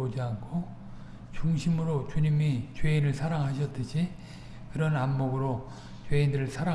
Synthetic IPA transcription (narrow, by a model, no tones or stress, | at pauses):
od͡ʑiankʰo | t͡ɕuŋɕʰimɯɾot͡ɕuɲimit͡ɕweinɯɭsʰaɾaŋɦaɕ̬ʰʌt͈ɯɕʰi | kɯɾʌnamːoɡɯɾo | t͡ɕweindɯɾɯɭsʰaɾa